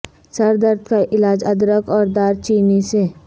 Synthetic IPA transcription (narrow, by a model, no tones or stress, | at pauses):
sɐɾd̪əɾd̪ʰkaʔɪlaːd͡ʒɐd̪ɾəkɔːɾd̪aːɾt͡ʃiːnise